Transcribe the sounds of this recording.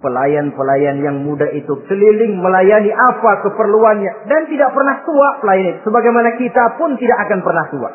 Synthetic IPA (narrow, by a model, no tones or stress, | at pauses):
pəlajanpəlajanjaŋmudait̪ut͡ʃəlilɪŋməlajaniʔapakəpərluanɲadant̪idaʔ̚pərnaht̪uaʔpəlajanit̪u̥səbaɡajmanakit̪apʊnt̪idakːakanpərnaht̪ua̰ʔ